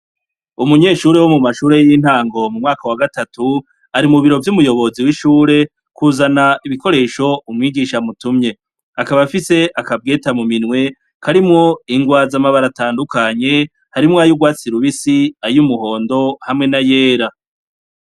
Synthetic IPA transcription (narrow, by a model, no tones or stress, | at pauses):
umuɲe̞ːʃuːɾe̞wo̞mumaʃuːɾe̞jin̥haːŋɡo̞mumŋaːkawaɡatatu | aɾimuβiɾo̞vjumujo̞βo̞ziwiʃuːɾe̞ | kuːzanaiβiko̞ɾe̞ːʃo̞umŋiːɡiʃamutumɲe̞ | akaβafise̞ʔakab̚ɡe̞ːtamuminwe̞ | kʰaɾimŋo̞iŋɡwaːzamaβaɾataːndukʰaɲe̞ | haɾimŋaːjuɡwaːt͡siɾuβisiajumuho̞ːndo̞hamŋe̞naje̞ːɾa